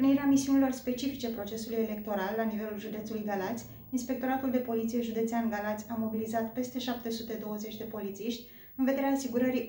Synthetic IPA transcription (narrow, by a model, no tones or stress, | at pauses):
niɾeamisiunilo̞rspe̞t͡ʃifit͡ʃe̞pɾo̞t͡ʃe̞suluje̞le̞k̚t̪o̞ɾalːanive̞lulʒud̪e̞t̪sulujɡalat̪sʲ | inspe̞k̚t̪o̞ɾat̪uld̪e̞po̞lit̪sije̞ʒud̪e̞t̪seanɡalat̪sʲamo̞bilizat̪pe̞st̪e̞ʃap̚t̪e̞sut̪e̞d̪o̞wəze̞t͡ʃʲd̪e̞po̞lit̪siʃt̪ʲ | ɨnve̞d̪eɾeaːsiɡuɾəɾi